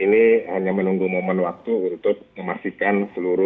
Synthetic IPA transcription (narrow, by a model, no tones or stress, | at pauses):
inihaɲamənuŋɡumomənwak̚t̪uːnt̪ʊk̚məmasikansəluɾʊ